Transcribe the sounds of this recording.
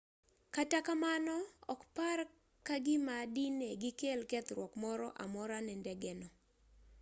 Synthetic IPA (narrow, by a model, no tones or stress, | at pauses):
katakamanɔɔ̰kpar | kaɡɪmadineɡɪkelkɛt̪ɾwɔkmɔɾɔʔa̰mɔɾanɛndɛɡɛnɔ